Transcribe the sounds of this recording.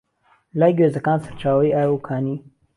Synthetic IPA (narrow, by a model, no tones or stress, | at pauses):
laːjɡeːzɐkaːnsaɾt͡ʃaːwɐiaːjukʰaːniː